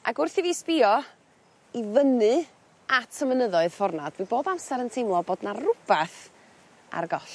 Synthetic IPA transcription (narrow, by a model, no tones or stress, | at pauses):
ʔaɡʊrθiviːspɪɔ | ivənɨ | atʰəmənəðɔɨð̥fɔrnad̥d̥wiboːdamsaɾəntʰejmlˠɔboːdnarʊb̥aθ | a̰rɡɔɬ